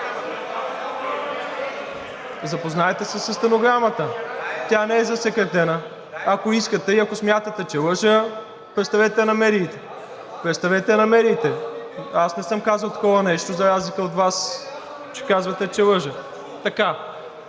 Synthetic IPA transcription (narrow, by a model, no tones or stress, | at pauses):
zɐpoznaɛt̪ɛsɛsɐst̪ɐnoɡɾamət̪ət̪ʲjanɛɛzɐsɛkɾɛt̪ɛnə | ɐkoiskət̪ɛiɐkosmʲjat̪ət̪ɛt͡ʃɛlˠɤʒə | pɾɛt̪st̪ɐvɛt̪ɛnɐmɛɾiːt̪ɛ | pɾɛt̪st̪ɐvɛt̪ɛnɐmɛɾiːt̪ɛasnɛsɤmkazəlˠt̪ɐ̥kɔvənɛʃt̪ozɐɾazlikəot̪vas | t͡ʃɛ̥kazvɐt̪ɛt͡ʃɛlˠɤʒə | t̪ɐka